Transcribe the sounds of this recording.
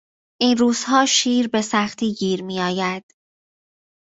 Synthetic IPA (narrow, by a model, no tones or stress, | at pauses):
ʔiːnɾuːz̥hɒːʃiːɾbe̞sæxt̪ʰiːɡiːɾmiːɒːjæd̪̥